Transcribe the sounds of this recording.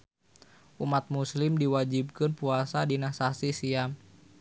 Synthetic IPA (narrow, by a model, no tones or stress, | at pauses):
ʔumat̪̚muslɪmdiwad͡ʒib̚kɨnpuasadinasasisiam